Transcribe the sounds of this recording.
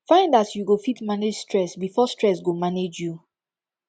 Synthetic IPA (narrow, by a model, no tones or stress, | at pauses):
fãɪ̃ndatjuɡofitmaned͡ʒstɹɛsbifɔstɹɛsɡomaned͡ʒju